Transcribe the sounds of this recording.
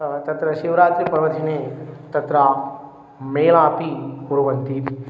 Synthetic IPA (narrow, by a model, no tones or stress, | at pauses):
t̪ɐt̪ɾɐʃiʋɾaːt̪ɾipɾɐʋɐd̪ʱineːt̪ɐt̪ɾɐ | meːlaːpiɡuɾuʋɐnt̪i